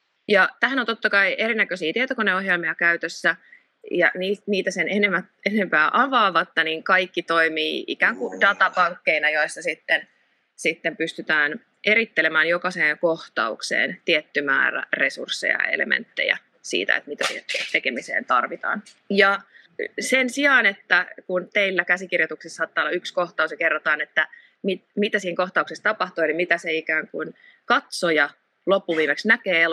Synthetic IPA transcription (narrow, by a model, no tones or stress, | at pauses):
jɑt̪æɦænont̪ot̪ːɑkɑiʔeɾinækøsiːt̪iet̪okoneoɦjelmiɑkæyt̪øsːæ | jɑniːniːt̪æsenenemæt̪ene̞mpæːʔɑʋɑːʋɑt̪ːɑniŋkɑikːit̪oimiːʔikæːŋkudɑt̪ɑpɑŋkːeinɑjoisːɑsit̪ːen | sit̪ːempyst̪yt̪æːn | e̞ɾit̪ːelemæːnjokɑseːŋkoht̪ɑ̰uksḛːnt̪iet̪ːymæ̰ːræ̰resṵrsːḛjɑ̰ḛlḛmḛnt̪ːḛjæ̰ | sḭːt̪æ̰ḛt̪mit̪æsḭhent̪ekemisḛːnt̪ɑrʋit̪ɑ̰ːn | jɑ | sensiɑːnet̪ːækunt̪eilːækæsikirjot̪uksisːɑːt̪ːɑːolːɑykskoht̪ɑusjɑkerːot̪ɑːnet̪ːæ | mitmit̪æsiːiŋkoht̪ɑuksest̪ɑpɑht̪ujɑlimit̪æseikæːŋkun | kɑt̪sojɑ | lopːuʋiːmeksnækeːe